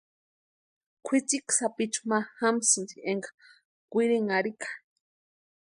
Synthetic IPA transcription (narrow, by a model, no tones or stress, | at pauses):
kʷʰit͡siksapit͡ʃu̥maxamsɨnzieŋɡa | kʷiɾiŋaɾikʰḁ